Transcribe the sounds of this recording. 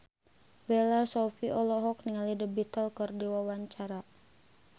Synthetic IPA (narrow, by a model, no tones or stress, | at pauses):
belasɔfiʔɔlɔɦɔk̚niŋalidəbit̪əlkərdiwawaɲt͡ʃaɾa